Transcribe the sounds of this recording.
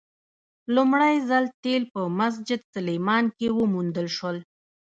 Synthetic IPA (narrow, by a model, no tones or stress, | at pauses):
lumɽajzalt̪elpəmas̬d͡ʒɪd̪salemɑnkewəmund̪əlʃwəl